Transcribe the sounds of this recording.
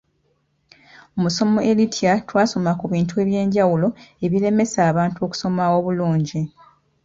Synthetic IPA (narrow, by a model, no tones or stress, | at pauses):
omuso̞mo̞ʔelitʰjatwaːso̞makuβiːntue̞ːβje̞ːɲɟawulo̞e̞βile̞me̞saːβaːntuo̞ːku̥so̞mawo̞βuluːɲɟi